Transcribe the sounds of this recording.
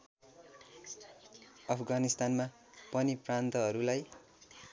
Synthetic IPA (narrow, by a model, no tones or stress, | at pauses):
ʌpʰɡanist̪anma | pʌniprant̪ʌɦʌɾulaj